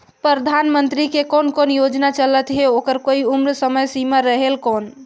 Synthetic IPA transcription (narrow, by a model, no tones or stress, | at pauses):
pɾəd̪ʱanmənt̪ɾikekonkonjod͡ʒnat͡ʃələt̪ɦeokəɾkoiumɾsəməjsimaɾəɦelkon